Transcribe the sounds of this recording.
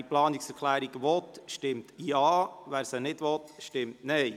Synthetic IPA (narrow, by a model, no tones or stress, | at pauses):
iplɑːnɪksɛɾkʰlæːɾiɡʋɔtʃtɪmtjɑːʋæːɾsənɪdʋɔtʃtɪmtnɛɪ